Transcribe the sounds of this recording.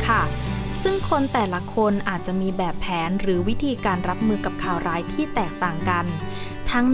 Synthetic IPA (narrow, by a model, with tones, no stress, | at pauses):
kʰa˥˩sɯ˥˩ŋkʰo˧nt̪ɛː˨˩la˦˥kʰo˧nʔaː˨˩t̪̚t͡ɕa˨˩ʔmiː˧bɛː˨˩pʰːɛː˩˦nɾɯː˩˦wi˦˥t̪ʰiː˧kaː˧nɾa˦˥p̚mɯː˧ka˨˩p̚kʰaː˨˩wɾaː˦˥jt̪ʰiː˥˩t̪ɛː˨˩k̚t̪aː˨˩ŋka˧n | t̪ʰa˦˥ŋ